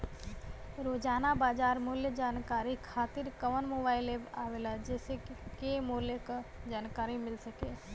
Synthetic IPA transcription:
ɾoːd͡ʒaːnabaːd͡ʒaːɾmʊːljəd͡ʒaːnkaːɾikʰaːt̪ɪɾkəʋənmoːbaːɪleːbaːʋeːlad͡ʒɛːsekemoːljəkad͡ʒaːnkaːɾimɪlsəkeː

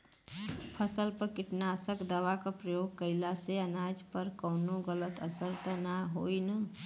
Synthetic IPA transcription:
pʰəsəlpəɾkɪʈnaəsəkd̪əʋakapɾəjoːɡ̚kəɪlaseənaːd͡ʒpəɾkɔːnõɡələt̪əsəɾt̪ənaɦoːina

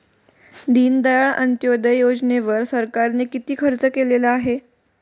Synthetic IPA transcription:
d̪iːnd̪əjaɭʔənt̪jod̪əjod͡ʑneʋəɾsəɾkaɾnekit̪iːkʰəɾt͡səkelelaaɦe

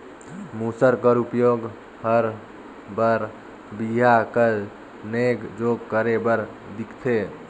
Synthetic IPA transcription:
musəɾkəɾupjoɡ | həɾ | bəɾ | biɦakə | neɡd͡ʒoɡ̚kəɾebəɾ | d̪ikʰt̪ʰe

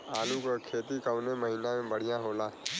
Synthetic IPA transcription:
aːlũkəkʰeːt̪ikəʋneməɦiːnãmẽbəɽ̤ɪjãɦoːlaː

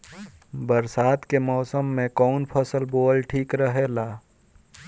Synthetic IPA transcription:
bəɾsaːt̪kemɔːsəmːẽkɔːnpʰəsəlboːlʈʰiːkɾəɦeːlaː

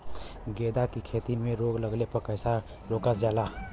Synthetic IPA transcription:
ɡed̪akikʰet̪imeɾoɡləɡlepəkəjsa | ɾokəsd͡ʒala

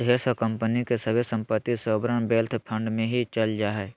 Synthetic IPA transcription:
ɦeːsokə̃mpənikesəbʱesə̃mpət̪ːisəːbɾəɳbeːlt̪ʰpʰə̃ɳɖmẽɦit͡ʃəld͡ʒaːɦɛː

